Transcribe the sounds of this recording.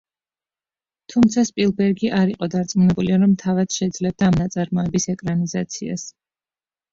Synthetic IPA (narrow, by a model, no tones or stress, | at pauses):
t̪ʰumt̪sʰaspʼilˠbɛɾɡiʔaɾiqʼɔd̪aɾt̪sʼmunɛbuliaɾɔmt̪ʰavad̪̥ʃɛd̪zlɛb̚d̪aːmnat̪sʼaɾmɔɛbisɛkʼɾanizat̪sʰia̰s